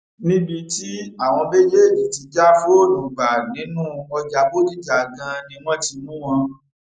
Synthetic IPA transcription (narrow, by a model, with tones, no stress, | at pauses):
nĩ˦bi˧ti˦a˦˨w̃ɔ̃˧be˦d͡ʒe˦˨d͡ʒi˨ti˧d͡ʒa˦fo˦o˦˨dũ˨ɡ͡ba˨nĩ˨˦nũː˦ɔ˧d͡ʒa˧bo˦di˦d͡ʒa˨ɡã˧nĩ˧˦w̃ɔ̃˦ti˧mũ˦w̃ɔ̃˧